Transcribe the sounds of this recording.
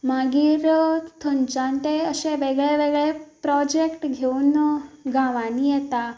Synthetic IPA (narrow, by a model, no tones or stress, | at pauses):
maɡiːɾt̪ʰəɲt͡ɕãnt̪eəseʋeɡɭeʋeɡɭepɾɔd͡ʑekʈɡʱeuːnɡãʋanijɛt̪a